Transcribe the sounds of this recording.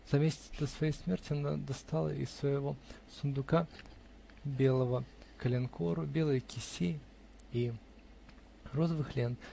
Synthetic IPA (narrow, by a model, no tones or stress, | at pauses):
z̥ɐmʲesʲtʲd̪əsvɐjejsmʲe̞rtʲɪɐna̰d̪ɐst̪alˠə̰ɪ̰svəjɪvo | sʊnd̪ʊka | bʲe̞lˠəvəkəlʲɪnkoɾʊbʲelˠəjkʲɪsʲe | i | rozəvɨxlʲen